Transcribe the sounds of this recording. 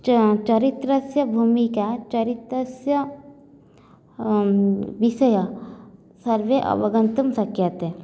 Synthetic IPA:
t͡ʃɐɾit̪ɾəsjɐbʱuːmikat͡ʃɐɾit̪ɾəsjɐ | ʋiʃəjə | sɐɾʋeʔɐ̰ʋɐɡə̃nt̪əmsɐkʰjət̪ɦɛ

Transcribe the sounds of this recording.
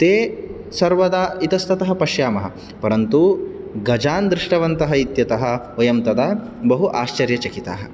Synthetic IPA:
t̪eː | sɐɾʋɐd̪aːit̪ɐst̪ɐt̪ɐɦɐ̆pɐʃjaːmɐɦɐ̰ | pɐɾɐnt̪uɡɐd͡ʒaːnd̪ɾiʂʈɐʋɐnt̪ɐɦɐit̪jɐt̪ɐɦɐ̆ | ojɐmt̪ɐd̪ɐ | bɐɦuʔaːʃt͡ʃɐɾjɐt͡ʃɐkit̪a̰ːɦɐ

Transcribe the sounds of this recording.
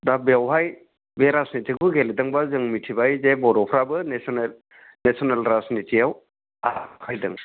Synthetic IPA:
dabeawɦaj | beɾasnitʰikʰuɡelidɯŋbazɯŋmitʰibajzebɔɾɔpʰɾabɯnesnel | nesɔnelɾasnitʰiaw | akʰajdɯ̰ŋ

